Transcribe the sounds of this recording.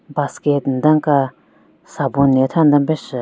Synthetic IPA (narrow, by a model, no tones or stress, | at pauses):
basket̪nd̪aŋka | sabonːet̪ʰand̪ambes